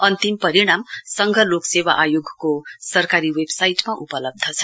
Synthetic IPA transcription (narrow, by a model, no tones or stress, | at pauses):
ʌnt̪impʌɾiɽ̃amsʌŋɡʱʌloksewa̰ʔajoɡʱkosʌrkaɾiwebsajʈmaʔupʌlʌb̚d̪ʱʌt͡sʰʌ̥